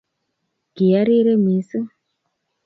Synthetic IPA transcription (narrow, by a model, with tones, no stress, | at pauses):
ɡi˨ja˦ɾi˦ɾe˦mi˨˦si˦